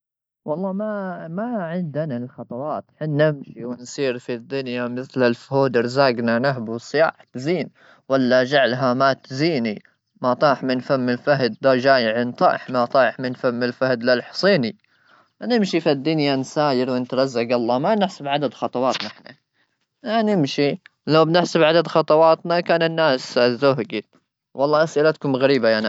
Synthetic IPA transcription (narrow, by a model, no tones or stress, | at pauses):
wɑlˤːɑːmamaʕɪnd̪analxɑt̪ˤɑwɑːt̪ħɪnːɪmʃiwɪnsiːɾfid̪ːʊnjamɪθlalfhuːd̪ɪɾzaːɡnanaɦbwsˤɪja̰ːħt̪ziːn | walːad͡ʒaʕlɦamat̪ziːni | mɑt̪ˤɑːħmɪnfamːɪlfaɦd̪̚ːad͡ʒaːjɪʕɪnt̪ˤɑ̰ːħmɑt̪ˤɑːħmɪnfamːɪlfahd̪lalħsˤiːni | nɪmʃifid̪ːʊnjansaːjɪɾwɪnt̪ɾˤɑzːaɡɑlˤːɑːmanɪħsabʕad̪ad̪xɑt̪ˤɑwɑːt̪naħna | anɪmʃilawbnɪħsabʕad̪ad̪xɑt̪ˤɑwɑːt̪nakaːnɪnːaːszʊɦɡi | wɑlˤːɑːʔasʔɪlat̪ḁkumɣaɾiːbajaʕn